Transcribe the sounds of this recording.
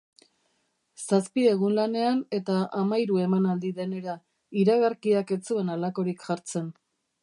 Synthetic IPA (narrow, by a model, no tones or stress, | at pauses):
saspie̞ɣunlane̞ane̞t̪aamajɾue̞manald̪iðe̞ne̞ɾa | iɾaɣaɾkiake̞t͡sue̞nalako̞ɾikʝaɾt͡se̞n